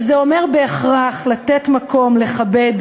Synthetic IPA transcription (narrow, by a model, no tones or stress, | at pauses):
zeo̞me̞ʁbe̞ːχʁaχlat̪etmako̞mle̞χabe̞d